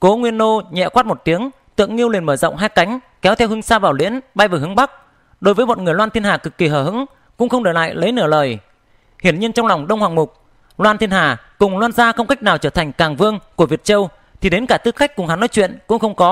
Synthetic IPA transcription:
ko˨˦ŋwi˧ənːo˧ɲɛ̰˧˨kwaː˦˥t̚mo˨˩t̪i˨˦əŋ | t̪ɨ̰˧˨əŋːi˧əwli˨˩nməː˧˩zə̰˧˨ŋ͡mɦaː˧jka˨˦jŋ̟ | kɛ˨˦wt̪ʰɛ˧wɦɨ˧ŋsaː˧vaː˨˩wlḭ˧˥ənɓaː˧jvəː˨˩ɦɨ˨˦ŋɓa˦˥k̚ | ɗo˨˦jvəː˨˦jmo˨˩t̚ŋɨ˨˩əjlwaː˧nt̪ʰi˧ənhaː˨˩kɨ˨˩kːi˨˩ɦəː˧˩ɦɨ̰˧˥ŋ | kʊ̰˧˥ŋ͡mxə˧wŋ͡mɗɨ˨˩la̰ː˧˨jlə˨˦jnɨ˧˩ələː˨˩j | hi˧˩ənɲi˧ənt͡ɕɔ˧ŋ͡mla˨˩wŋ͡mɗə˧wŋ͡mhwaː˨˩ŋmʊ˨˩k͡p̚ | lwaː˧nt̪i˧ənhaː˧˩ | kʊ˨˩ŋ͡mlwaː˧nzaː˧xə˧wŋ͡mka˦˥k̚naː˨˩wt͡ɕəː˧˩t̪ʰa˨˩ŋ̟kaː˨˩ŋvɨ˧əŋku˧˩əvi˨˩ət̚t͡ɕə˧w | t̪ʰi˨˩ɗe˨˦nkaː˧˩t̪ɨ˨˧˥xa˦˥jk̟̚kʊ˨˩ŋ͡mha˨˦nːɔ˨˦jt͡ɕwḭ˧˨ənkʊ̰˧˥ŋ͡mxə˧wŋ͡mkɔ˨˦

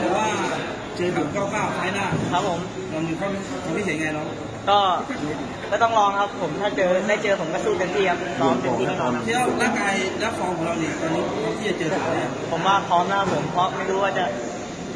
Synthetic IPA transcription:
t̪ɛː˨˩waː˥˩ | t͡ɕɤː˧kʰa˨˩˦t͡ɕɔ˥˩kaː˥˩wt̪ʰaː˦˥jnaː˥˩kʰa˦˥pʰːo˨˩˦m | mɔ˧˦mju˨˩kʰɔ˥˩ | kʰɔ˨˧˩ŋt̪ʰiː˥˩si˩˦˧ŋa˧jnɔ˦˥ | kɔː˥˩ | kɔː˥˩t̪ɔ˥˩ŋlɔː˧ŋkʰa˦˥pʰːo˨˩˦mt̪ʰaː˥˩t͡ɕɤː˧daː˥˩jt͡ɕɤː˧pʰo˩˦mkɔː˥˩suː˥˩ka˧nt̪ʰiː˥˩a˦˥pʰlɔː˨˦˥mpe˧˨˩i˧iː˥˧˩kʰɔː˨˦a˧˥˧a˥˩laː˥˩kaː˧jlɛ˦˥kʰɔː˧ŋkʰɔ˨˦ɾa˧wni˧˩t̪a˧niː˦˥˧ɔː˧˩ŋt̪ʰiː˥˩t͡ɕa˨˩t͡ɕɤː˧aː˨˦˧pʰo˩˦mwaː˥˩pʰɔː˦˥mna˧˥kʰa˦˥pʰːo˨˩˦mpʰɾɔ˦˥ma˥˩jɾuː˦waː˥˩t͡ɕa˨˩

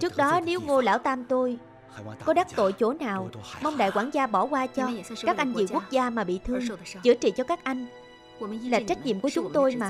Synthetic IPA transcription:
t͡ɕɨ˦˥ək̚ɗɔ˨˦ne˨˦wŋo˧la̰ː˧˩wt̪aː˧mt̪o˧j | kɔ˨˦ɗaː˦˥k̚t̪o̰˧˨jt͡ɕo˧˩naː˨˩wmɔ˧wŋ͡mɗa̰ː˧˨jkwaː˧˩ŋzaː˧ɓɔ˧˩kwaː˧t͡ɕɔ˧aː˦˥k̚ʔa˧jŋ̟zi˨˩ku˦˥ək̚zaː˧maː˨˩ɓḭ˧˨t̪ʰɨ˧ə˧əŋ˩t͡ɕɨ̰˧˩ət͡ɕḭ˧˨t͡ɕɔ˧kaː˦˥k̚ʔa˧jŋ̟ | laː˨˩t͡ɕa˦˥k̟̚ɲḭ˧˨mkət͡ɕʊ˨˦ŋ͡mt̪o˧jmaː˨˩

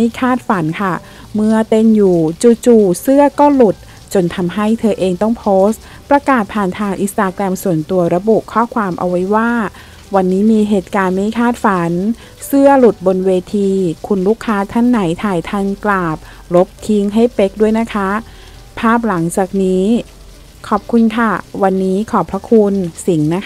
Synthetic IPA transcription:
ma˥˩jkʰaː˥˩t̪̚fa˩˦nkʰa˥˩ | mɯ˥˩ɐt̪e˧˥njuː˨˩t͡ɕuː˧˩t͡ɕuː˨˩sɯ˥˩ɐkɔː˥˩lu˨˩t̪̚ | t͡ɕo˧nt̪ʰa˧mɦa˥˩jt̪ʰɤː˧ʔeː˧ŋt̪ɔ˥˩ŋpʰoː˦˥st̪ | pɾa˧kaː˨˩t̪̚pʰaː˨˩nt̪ʰaː˧ŋʔi˧˥st̪aː˧kɾɛ˧msu˨˩ənt̪u˧ɐɾa˧buː˨˩kʰɔː˥˩kʰwaː˧mʔa̰˧wːa˦˥jwaː˥˩ | wa˧nːiː˦˥miː˧ɦeː˨˩t̪̚kaː˧nma˥˩jkʰaː˥˩t̪̚fa˩˦n | sɯ˥˩ɐlu˨˩t̪̚bo˧nweː˧t̪ʰiː˧kʰu˧nɾuː˥˩kʰːaː˦˥t̪ʰa˥˩nːa˩˦jt̪ʰaː˨˩jt̪ʰa˥˩nklaː˨˩p̚ | lo˦˥p̚t̪ʰi˦˥ŋɦa˥˩jpe˦˥k̚du˥˩əjna˦˥kʰa˦˥ | pʰaː˥˩p̬̚la˩˦ŋt͡ɕaː˨˩k̚niː˦˥ | kʰɔː˨˩p̚kʰu˧nkʰa˥˩wa˧nːiː˦˥kʰɔː˨˩pʰɾa˦˥kʰu˧nsi˩˦ŋna˦˥

